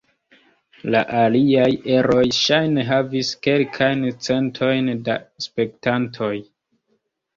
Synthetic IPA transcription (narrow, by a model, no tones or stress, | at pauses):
laʔaliaje̞ɾo̞jʃajne̞ɦaviske̞lkʰajnt͡se̞ntʰo̞jndaspe̞ktantʰo̞j